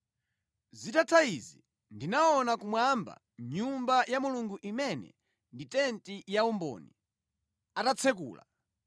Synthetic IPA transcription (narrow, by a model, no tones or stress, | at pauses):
zitatʰaizi | ndinaɔnakumwamba̰ | ɲumbajamuluŋɡuʔimɛnɛ̰ | nditɛntijaumbɔ̰ːni | atat͡sʰɛkṵːla̰